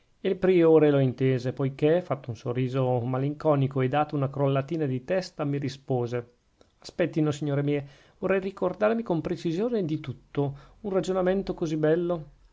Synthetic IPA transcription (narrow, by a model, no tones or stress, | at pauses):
elpɾioːɾeloint̪eːzepojkefat̪ːounsorːiːzomaliŋkɔːnikoed̪aːt̪ounakɾolːat̪iːnad̪it̪ɛst̪amiɾispoːze | aspɛt̪ːinosiɲːoːɾemiːe | vorːɛjrikord̪aːɾmikompɾet͡ʃizjoːned̪it̪ut̪ːounrad͡ʒonament̪okozibɛlːo